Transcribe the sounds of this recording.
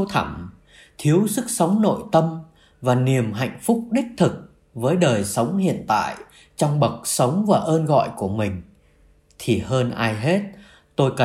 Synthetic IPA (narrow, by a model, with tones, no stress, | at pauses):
wt̪ʰə˧˩m | t̪ʰi˨˦əwsɨ˦˥k̚sə˨˦wŋ͡mno̰˧˨jt̪ə˧m | vaː˨˩ni˨˩əmɦa̰˧˨jŋ̟fʊ˦˥k͡p̚ɗï˦˥k̟̚t̪ʰɨ˨˩k̚ | vəː˨˦jɗəː˨˩jsə˨˦wŋ͡mhḭ˧˨ənt̪a̰ː˧˨j | t͡ɕɔ˧wŋ͡mɓə˨˩k̚sə˨˦wŋ͡mvaː˨˩ʔəː˧nɣɔ̰˧˨jku˧˩əmï˨˩ŋ̟ | t̪ʰi˨˩ɦəː˧nʔaː˧jɦe˦˥t̚ | t̪o˧jkə˨˩